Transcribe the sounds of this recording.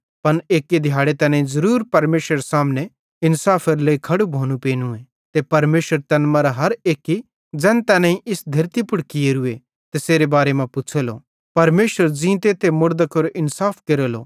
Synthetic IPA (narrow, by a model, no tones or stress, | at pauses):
pɐneːkːed̪ʱjaːɽet̪ɛːnãːĩzɐɾuːɾpɐɾmeːʃɾəɾsaːmne | ɪnsaːpʰɐɾleikʰɐɽubʱoːnũpeːnũe | t̪epɐɾmeːʃəɾt̪ɐnmɐ̃ɾaɦɐɾeːkːi | d͡zɛ̃ːnt̪ɛːnãːĩʔɪsd̪ʱɐɾt̪ipʊɽkieɾʊe | t̪eseːɾebaːɾemãpʊt͡ʃʰelo̰ | pɐɾmeːʃəɾd͡ʒĩːt̪eːt̪ʰemʊɾd̪əkoɾoʔɪnsaːpʰkeɾoːlo̰ː